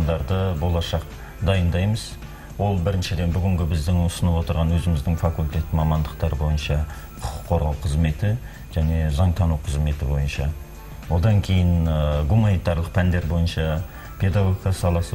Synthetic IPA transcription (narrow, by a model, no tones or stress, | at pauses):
nd̪ɑɾd̪əbo̞lˠɑʃɑq̚ | d̪ɑjənd̪ɑjməz | wo̞lˠbɪɾɪnʃɪd̪e̞nbʏɡʲɪŋɡʲɪbɪzd̪ɪŋʊsənəpwo̞t̪əɾʁɑnwɵzɪmɪzd̪ɪŋfɑkulʲt̪ʲe̞t̪ɪmɑmɑnd̪əq̚t̪ɑɾəbo̞jənʃɑ | qʰʊ̥qʰʊ̥qʰːo̞ɾʁɑwqʰəzme̞t̪ɪ | ʒ̥æne̞zɑɴt̪ʰɑnuqʰəzme̞t̪ɪbo̞jənʃɑ | wo̞d̪ɑŋkʲʰe̞jɪnɡumɑnijt̪ɑɾlˠəq̚pʰænd̪e̞ɾbo̞jənʃɑ | pʰe̞d̪ɑɡoɡʲikasɑlˠɑsə